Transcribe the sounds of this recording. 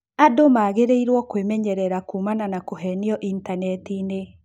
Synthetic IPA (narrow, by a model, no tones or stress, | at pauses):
adomaːɣeɾeiɾwɔkwemɛɲɛɾɛɾakuːmananakoɦɛniɔʔintanɛtine